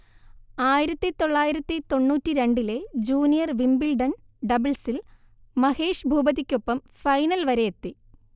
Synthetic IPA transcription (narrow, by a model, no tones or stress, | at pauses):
aːjiɾɐt̪ːit̪o̞ɭːaːjiɾɐt̪ːit̪o̞ɳːuːtːiɾe̞ɳɖile̞d͡ʑuːnijɐrʋimbilɖɐn | ɖɐbilsil | mɐhe̞ːʂbʱuːbɐðikʲːopːɐm | fɐjnɐlʋɐɾe̞jet̪ːi